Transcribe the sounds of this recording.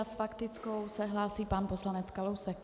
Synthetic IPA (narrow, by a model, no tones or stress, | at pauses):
asfakt̪ɪt͡sko̞wsɛɦlaːsiːpanpo̞slanɛt͡skalowsɛk